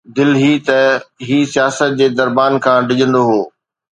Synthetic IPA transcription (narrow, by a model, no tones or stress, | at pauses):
d̪ɪlɦit̪ɐɦiːsijaːsət̪̚d͡ʑeːd̪ɐɾbaːnkʰãːɖɪʄə̃nd̪oɦoː